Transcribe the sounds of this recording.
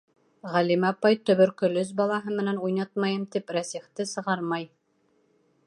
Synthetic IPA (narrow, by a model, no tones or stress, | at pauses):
ʁælimɑpɑjt̪ɵ̆βɵ̆ɾkɵ̆lɵz̬bɑlˠɑɦɤmɘ̆nænujnɑt̪̚mɑjɤmt̪ipɾæsiχt̪ɘsɤ̆ʁɑɾmɑj